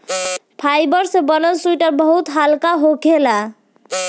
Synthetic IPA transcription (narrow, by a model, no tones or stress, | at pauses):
pʰajbəɾsebənəlsuiʈəɾbəɦut̪ɦalkaɦokela